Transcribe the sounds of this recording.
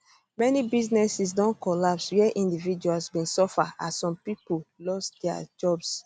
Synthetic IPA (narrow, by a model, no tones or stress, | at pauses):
mɛnibiznɛsis̬dɔ̃nkɔlapswɛʔĩndivid͡ʒualsbĩnsɔfaasɔ̃mpipolɔsdɛa̰d͡ʒɔbs